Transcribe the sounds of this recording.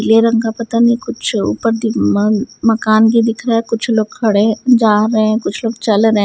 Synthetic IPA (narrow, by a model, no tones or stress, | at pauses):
leɾɐ̃ŋɡapɐt̪anikʊt͡ʃʰṵːpəɾd̪ɪ | mɐkaːnk̬id̪ɪkʰɾaɛkʊt͡ʃʰloːɡ̚kʰɐɽed͡ʒaːɾɐɦẽkʊt͡ʃʰloːɡ̚t͡ʃɐlɾɐɦ